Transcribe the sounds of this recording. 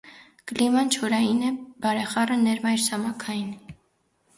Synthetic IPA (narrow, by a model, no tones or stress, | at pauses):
klimɑnt͡ʃʰɔɾɑjinɛb̥ɑɾɛχɑrənɛɾmɑjɾsɑmɑkʰɑjin